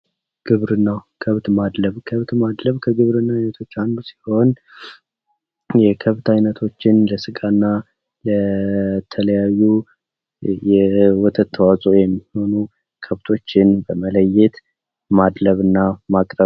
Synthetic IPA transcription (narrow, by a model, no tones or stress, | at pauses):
ɡ̥ɨβɾɨnːawkʰəβt̪mad̪ləβkʰəβt̪mad̪ləβkʰəɡɨβɾɨnːaajnət̪ʰo̞t͡ʃːand̪usi̥ho̞n | jɛkʰəβt̪ajnət̪ʰo̞t͡ʃːɪnləsɨɡʼanːa | lət̪ʰələjajːu | jɛwɔt̪ʰət̪ʰːəwat͡sʼojɛmːiho̞nu | kʰəβt̪ʰo̞t͡ʃːɪnbəmələjːɛt̪ | mad̪ləβɨnːamakʼɾəβ